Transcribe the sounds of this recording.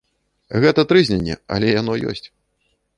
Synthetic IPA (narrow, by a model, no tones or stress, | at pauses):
ɣɛt̪ɐt̪ɾɨzʲnʲanʲːɛ̰ɐ̰lʲɛjanɔjɔ̰sʲt͡sʲ